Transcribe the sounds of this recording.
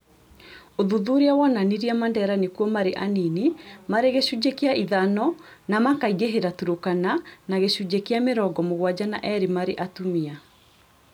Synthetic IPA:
oðuðuɾeawananiɾiamandɛɾanekuɔmaɾeʔaninimaɾeɣeɕud͡ʑekeaʔiðanɔnamakaiɣeɦeɾatuɾokananaɣeɕud͡ʑekeameɾɔɡɔmoɣwad͡ʑanaʔɛɾimaɾeʔatumia

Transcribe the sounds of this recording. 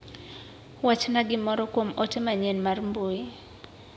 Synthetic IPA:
wat͡ʃnaɡɪmɔɾɔkwomɔtɛmaɲɛnmarmboi

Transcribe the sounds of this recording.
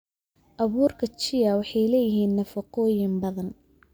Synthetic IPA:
ʔɐβuːrkʰɐt͡ʃɪjɐwɑħɑjlɛːjɪɦiːnːɐfɐqɔːjɪmbɐðɐn

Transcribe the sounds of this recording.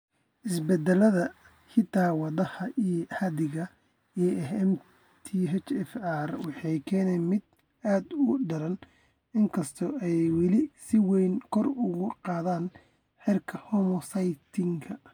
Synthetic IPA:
ʔɪsbɛd̪ɛlɐðɐ | hɪt̪ʰaːwɑðɐhɐʔiːhɐðɪɣɐ | iːɛɛm | t̪ʰiɦɛt͡ʃɛfarwɑħɑjkʰɛːnɛmɪd̪ | aːd̪ʊɖɐɾɐn | ɪŋkʰɐst̪ʰɔɛjwɑlɪsɪwɛjnkʰɔrʊɣʊqɑːðaːn | ħɪrkʰɐhɔmɔsɐjt̪ʰɪŋkʰɐ

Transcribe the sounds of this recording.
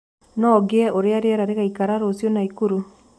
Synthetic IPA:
nɔɡeɛʔoɾeaɾeaɾaɾeɣaikaɾaɾosjonaikuɾu

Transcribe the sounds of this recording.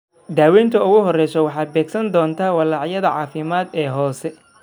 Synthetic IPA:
d̪aːwɛːnt̪ʰɐʊɣʊɦɔrɛjsɔwɑħɑːbɛːɡsɐnd̪ɔːnt̪ʰaːwɑlɑʕjɐðɐʕɑːfɪmaːd̪ɛːɦɔːsɛ

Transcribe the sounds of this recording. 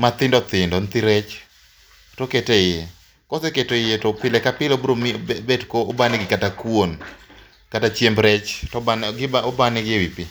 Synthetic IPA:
mat̪ɪndɔt̪ɪndɔnt̪iɾɛt͡ʃ | toketeje | kɔseketejetopɪlɛkapɪlobɾomibedkoobanɪɡɪkatakwon | katat͡ʃjembɾɛt͡ʃtɔbanɡɪbaobanɪɡɪewipi

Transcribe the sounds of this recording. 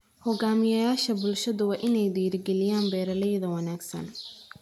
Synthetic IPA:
hɔɡaːmɪjɐjaːʃɐbʊlʃɐðʊwɑːʔɪnɛjd̪iːɾɡɛlɪjaːnbɛːɾɐlɛjðɐwɐnaːɡsɐ̰n

